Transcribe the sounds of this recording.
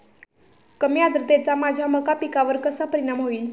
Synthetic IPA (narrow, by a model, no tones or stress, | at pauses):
kəmjad̪ɾət̪et͡samad͡ʑʱjaməkapikaʋəɾkəsapəɾinamɦoiːl